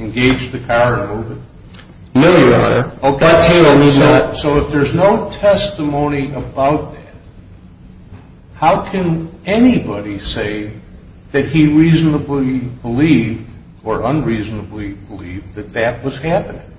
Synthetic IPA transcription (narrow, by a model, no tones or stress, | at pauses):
ɨ̃nɡeɪd͡ʒðɨkʰɑɹɨ̃nmuvɨt̚ | mɛiɹɑ̰ɾə̰˞oʊkʰæimĩəsoʊɨfðə˞znoʊtʰɛstəmõʊ̃niʔəbaʊt̪̚ðæt̚ | haʊkʰɨ̃nɛnibɑɾiseɪ | ðɨt̚hiɹiznəblibəlivd̚ | ə˞ʔʌ̃nɹiznəblibəlḭvðɨt̪̚ðɨt̚wʌz̥hæpɨnɪ̃ŋ